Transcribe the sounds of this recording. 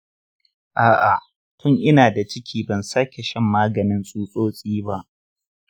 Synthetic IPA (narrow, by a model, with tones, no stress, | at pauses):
ʔaː˨ʔa˨ | tʰʊ˦ŋʔɪ˦naː˨da˨t͡ʃɪ˦kʲʰiː˦bɐ˨nsaː˦kʲe˨ʃɐ˦˨mːaː˦ɡɐ˨nɪ˦nsʼuː˦sʼoː˦sʼiː˦ba˦ʔ